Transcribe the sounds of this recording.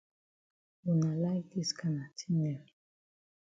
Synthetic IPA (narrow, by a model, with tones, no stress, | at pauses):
u˨na˨la˦jdi˦ska˨na˨tʰi̥˦nɛ˨l